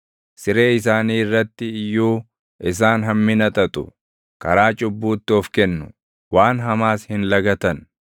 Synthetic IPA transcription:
sɪɾe̞ːɪs̬aːniːrːɐt̪ːɪɪjːuː | ʔɪs̬aːnɦɐmːɪnɐt̪ʼɐt̪ʼʊ̰ | kɐɾaːt͡ʃʼʊbːuːt̪ːɪɔfkɛnːʊ̰ | waːnɦɐmaːshɪnlɐɡɐt̪ɐn

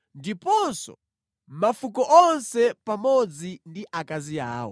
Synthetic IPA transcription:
ndipɔnsɔ̰ | mafukɔʔɔnsɛpamɔd͡zindiʔakaziaːwɔ̰

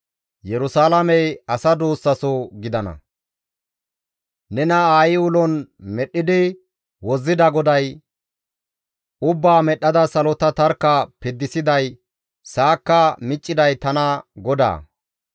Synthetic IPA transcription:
jɛɾʊsaːlɐmɛjɐsɐd̪oːsːɐsɔɡɪd̪ɐnɐ̰ | nɛnɐaːjɪwʊlɔnmɛɗːɪd̪ɪ | wɔzːɪd̪ɐɡɔd̪ɐj | ʊbːaːmɛɗːɐd̪ɐsɐlɔt̪ɐt̪ɐɾkːɐpɪd̪ːɪsɪd̪ɐj | saːkːɐmɪt͡ʃʼːɪd̪ɐjt̪ɐnɐɡɔd̪a̰ː

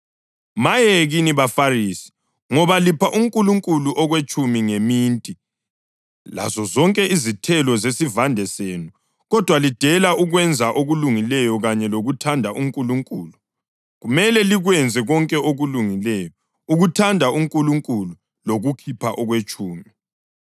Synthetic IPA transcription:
majeɣiniβafarisi̥ | ŋɔβalipʰaʔuŋkʼuluŋkʼuluʔɔɣwet͡ʃʼumiŋemiːntʼi | la̰zɔzɔŋkʼɛʔizitʰɛlɔzesivandʱɛseːnu | ɣɔd̥ʱwalid̥ʱɛlaʔuɣwɛnd͡zʱaʔoɣuluŋilɛjɔɣaɲɛloɣutʰandʱaʔuŋkʼuluŋkʼuːlu | ɣumɛlɛliɣwɛnd͡zʱɛɣɔŋkʼɛoɣuluŋilɛjɔ | uɣutʰandʱauŋkʼuluŋkʼulu | loɣukʰipʰaʔɔɣwet͡ʃʼuːmi

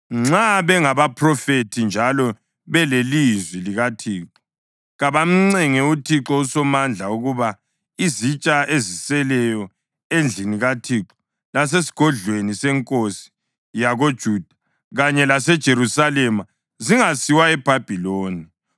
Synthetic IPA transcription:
ŋ͡ǁaβɛŋaβapʰrɔfetʰind͡ʒʱalɔ | βɛlelizwiliɣatʰiːǁɔ̥ | ɣaβam̩ŋ͡ǀɛŋɛutʰiǁɔusɔmand͡ɮʱauɣuβa | izit͡ʃʼaezisɛlɛjɔ | end͡ɮʱiniɣatʰiǁɔ̥ | las̬esi̥ɡ̥ʱɔɮwenisɛŋkʼosi̥ | jaɣod̥ʒ̥ʱuːd̥ʱḁ | ɣaɲɛlasɛd̥ʒ̥ʱeɾusalɛma | ziŋasiwaɛb̥ʱab̥ʱiloːni

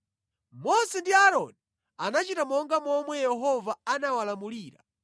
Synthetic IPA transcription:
mɔsɛndiaɾɔni | anat͡ʃitamɔŋɡamɔmwɛjɛɦɔvaanawalamuliːɾa̰

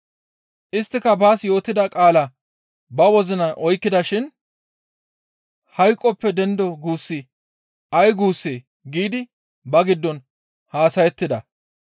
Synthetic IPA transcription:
ʔɪst̪ːɪkɐbaːsjo̞ːt̪ːɪd̪ɐkʼaːlɐ | bɐwɔzɪnɐʔɔjkːɪd̪ɐʃɪn | hɐjkʼːɔpːɛd̪ɛnd̪ɔɡuːsːɪ | ʔɐjɡuːsːeː | ɡiːd̪ɪ | bɐɡɪd̪ːɔn | haːsɐjɛt̪ːɪd̪ɐ

